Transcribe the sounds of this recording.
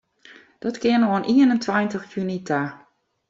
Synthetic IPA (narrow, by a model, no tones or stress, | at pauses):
d̥ɔtkɪənoənʔiənəntʰwajntəxkjynitʰa